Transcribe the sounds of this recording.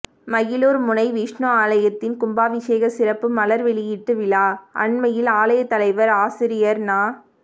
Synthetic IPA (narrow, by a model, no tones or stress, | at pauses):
mɐɣɪloːɾmʊnɐɪʋiːʂɳoːaːlɐjɐt̪ːɪnkʊmbaːʋɪseːɣɐsɪrɐpːɯmɐlɐɾʋɛɭɪjɪʈːɯʋɪlaːʔɐ̰ɳmɐjɪlaːlɐjɐt̪ːɐlɐɪʋɐɾaːsɪɾɪjɐɾnaː